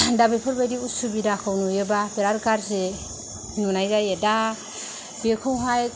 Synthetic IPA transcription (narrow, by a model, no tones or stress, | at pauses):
dabepʰɔɾbajdiusubidakʰawnujebapʰeɾaɾkaɾse | nunajzajeda | b̥ekʰɔwɦaj